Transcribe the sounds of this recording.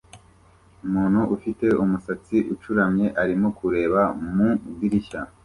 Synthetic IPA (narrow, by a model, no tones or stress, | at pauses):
umuːnhuʔufite̞umusat͡siʔut͡ʃuɾamɲe̞ʔaɾimokuɾe̞ːβamuɡiɾiʃa